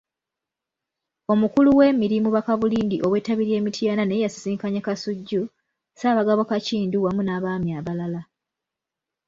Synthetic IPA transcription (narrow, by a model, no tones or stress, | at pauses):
o̞mukuluwe̞ːmiɾimuβakaβuliːndiʔo̞we̞ːtaβiɾje̞ːmitʰianane̞jasi̥siːŋkaɲakasuɟːu | saːβaɡaβokaciːnduwamunaβaːmiaβalala